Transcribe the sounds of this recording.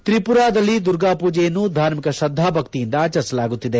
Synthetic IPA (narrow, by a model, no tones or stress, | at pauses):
t̪ɾipuɾaːd̪ɐlːid̪uɾɡaːpuːd͡ʒɛjɐnːud̪ʱaːɾmikɐʃɐd̪ʱːaːbʱɐkt̪ijind̪ɐaːt͡ʃɐɾsɐlaːɡut̪ːid̪e